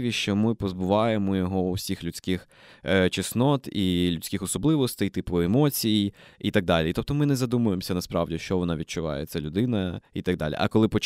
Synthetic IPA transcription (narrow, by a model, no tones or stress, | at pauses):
ʋʲiʃt͡ʃɔmɪpɔzbʊʋɑjemɔjɔɦɔʊsʲixlʲʉt͡sʲkɪx | t͡ʃɪsnɔt̪ilʲʊt͡sʲkʲɪxɔsɔblˠɪʋɔst̪ɛjt̪ɪpʊemɔt͡sʲijijit̪ɐɡ̚d̪ɑlʲit̪ɔp̚t̪ɔmɪnɛzɐd̪umʊjemsʲɐnɐspɾɑ̰ʋdʲiʃt͡ʃɔʋɔnɑʋʲid̪̚t͡ʃʊʋɑ̰jḛt̪sʲɛlʲʊd̪ɪnɐit̪ɐɡ̚d̪ɑ̰lʲḭʔɐ̰kɔlˠɪpɔt͡ʃ